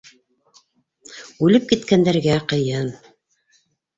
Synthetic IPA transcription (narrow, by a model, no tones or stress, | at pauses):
ʉlɘp̚kit̪kænd̪æɾɡæqɤ̆jɤn